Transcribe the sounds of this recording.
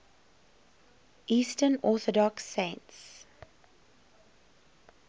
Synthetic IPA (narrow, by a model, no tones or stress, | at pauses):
ʔiːstənɔθɔdɔksːẽnts